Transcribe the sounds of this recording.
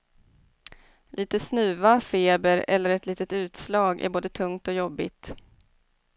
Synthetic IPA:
lʔiːt̪əsnʉ̟ːvafeːbəɾɛ̰lːəɾɛt̪liːt̪ət̪ʉ̟ːt̪slɑːɡæ̰ɾboːd̪ət̪ʰɵŋt̪ɔjɔbːɪ̰t̪

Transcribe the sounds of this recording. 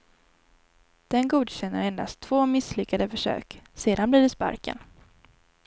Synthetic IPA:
d̪̥ɛnɡuːd̪ɕɛnːəɾɛnd̪a̰st̪ʰːvoːmɪslʏkːad̪əfœʂø̰ːkseːd̪anbliːɖɛspa̰ɾkə̰n

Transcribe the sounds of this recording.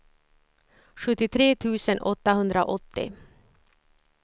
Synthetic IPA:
ɧɵt̪ːɪt̪ʰɾeːt̪ʰʉ̟ːsənʔɔt̪ːaɦɵnd̪ɾaʔɔt̪ːɪ̰

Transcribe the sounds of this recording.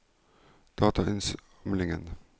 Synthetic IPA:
d̪̥ɑːt̪ʰɑʔœns | mlɪŋən

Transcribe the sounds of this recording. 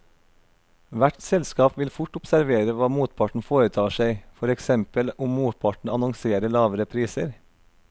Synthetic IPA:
ʋæʈsɛlskɑːpʋɪlfʊʈʊpsæɾʋeːɾəʋɑːmuːt̪̚pʰɑʈɳ̩foːɾət̪ʰɑːʃæɪfɔɾɛksɛmpəlʊmmuːt̪̚pʰɑʈɳ̩ɑnʊŋseːɾəɭɑːʋəɾəpʰɾiːsəɾ

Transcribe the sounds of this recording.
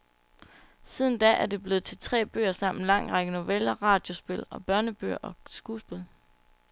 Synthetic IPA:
sið̞ˠn̩d̥ɛʔæɐd̥e̝b̥le̝ːð̩ˠt͡sʰe̝lt͡sʰʁɛ̰ːb̥ø̰ːɐsɑ̈m̰n̩lɑ̈ŋ̰ʁɑ̈ɡ̥əno̝ʋelɐʁɑ̈ːd̥jo̝sb̥e̝lɒ̽b̥ɶɐnəb̥ø̰ɐ̰ʔɒ̽sɡ̥uːsb̥e̝lˠ

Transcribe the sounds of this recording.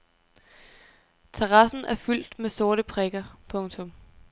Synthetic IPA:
t͡sʰeʁɑ̈sn̩æɐfyl̰d̥mesɔ̝ɐɾəpʰʁeɡ̥ɐpʰɔ̽ŋt͡sʰɔ̽m

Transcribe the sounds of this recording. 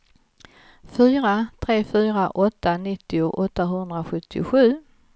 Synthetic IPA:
fyːɾat̪ʰɾeːfyːɾaʔɔt̪ːanɪt̪ːɪʊʔɔt̪ːaɦɵnd̪ɾaɧɵt̪ʰːɪ̰ɧʉ̟ː

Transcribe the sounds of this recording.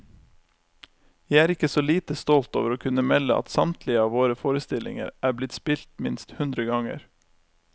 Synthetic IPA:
jæɪæːɾɪkəsoːliːt̪əst̪ɔlt̪o̰ːʋəɾoːkʰʉnəmɛləʔɑ̰t̪sɑmt̪ʰlɪəɑːʋoːɾəfoːɾəst̪ɪlɪ̰ŋə̰ɾʔæːblɪt̪spɪlt̪mɪnst̪hʉnd̪ɾəɡɑŋə̰ɾ

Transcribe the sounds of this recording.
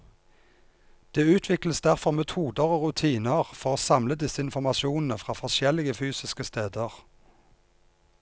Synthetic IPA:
d̪̥eːʉːt̪ʰʋɪkləsd̪æʁfɔʁmɛt̪ʰuːd̪əʁoːʁʉt̪ʰiːnəʁfɔʁoːsɑmləd̪ɪsəɪnfɔʁmɑʃɪuːnn̩əfʁɑːfɔʁʃjɛlɪɡəfyːsɪskəst̪eːd̪əʁ

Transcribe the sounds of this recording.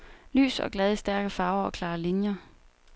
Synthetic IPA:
ly̰ːsɒɡ̥lɛð̞ˠisd̥æɐɡ̥əfɑ̈ːʊɐɒ̽kʰlɑ̈ːlinjɐ

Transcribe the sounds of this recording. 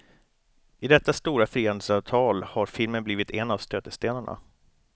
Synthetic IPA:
ɪd̪ɛt̪ːast̪uːɾafɾiːhənd̪əsɑːvt̪ʰɑːlhaɾfɪlmənbliːvɪt̪ʰɛnːavst̪øːt̪əst̪eːnaɳa̰

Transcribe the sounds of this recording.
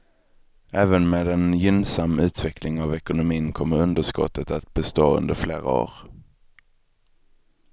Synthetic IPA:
ʔæːvənmeːd̪ɛnjʏnsamːʉ̟ːt̪vɛklɪŋavɛkʊnʊmiːnkʰɔmːəɾɵnd̪əʂkɔ̰t̪ːət̪at̪bɛst̪oːɵ̰nd̪əɾfleːɾa̰o̰ːɾ

